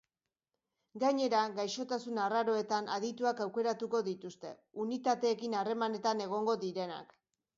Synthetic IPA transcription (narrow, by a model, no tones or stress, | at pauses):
ɡaɲe̞ɾaɣajʃo̞t̪asunaraɾo̞e̞t̪anʔa̰ðit̪uakawke̞ɾat̪uko̞ðit̪ust̪e̞̰ | unit̪at̪e̞ːkinare̞mane̞t̪ane̞ɣ̞o̞ŋɡo̞ðiɾe̞na̰k